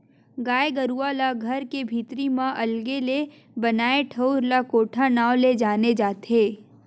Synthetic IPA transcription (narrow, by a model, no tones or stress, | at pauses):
ɡaːeɡɐɾualaɡʱɐɾkebʱiːt̪ɾimãʔɐlɡele | bɐnaːeʈʰəʊɾlakoːʈʰanaːled͡ʒaːned͡ʒaːt̪eː